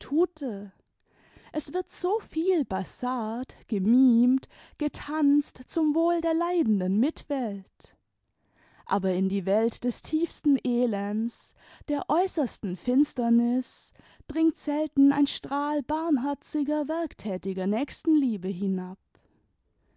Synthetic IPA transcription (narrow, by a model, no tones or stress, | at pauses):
tʰuːtʰə | ʔɛsv̥ɪɐtz̥oːfiːlbasaːtɡ̥əmiːmt | ɡ̥ətʰanstt͡sʊmvoːldeːɐlaɪdn̩dənmɪtv̥ɛlt | ʔa̰ːbɐɪndiːvɛltd̥ɛstʰiːfstn̩ʔeːlɛns | d̥eːɐʔɔʏsɐstn̩fɪnstɐnɪs | d̥ʁɪŋtz̥ɛltn̩a̰ɪnʃtʁ̥aːlbaɐmɦɛɐt͡sɪɡɐvɛɐktʰɛːtɪɡɐnɛːçstn̩liːbəɦɪnap̚